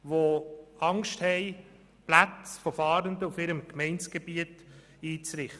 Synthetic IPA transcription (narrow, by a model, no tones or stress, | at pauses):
ʋoɑŋʃthɛɪ | plat͡sfɔfɑːɾənd̪əufɪɾəmkmɛɪnt͡sɡ̥ebiət | iːt͡sɾɪχtə